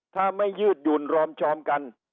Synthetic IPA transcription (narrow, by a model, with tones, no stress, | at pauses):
t̪ʰaː˥˩ma˥˩jːɯː˥˩t̪̚juː˨˩nɾɔː˧mt͡ɕʰɔː˧mka˧n